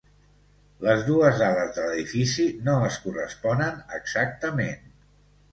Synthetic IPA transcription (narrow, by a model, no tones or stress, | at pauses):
ləzðuəzaləzðələðifisinoəskurəspɔnənəɡz̥ak̚t̪əmen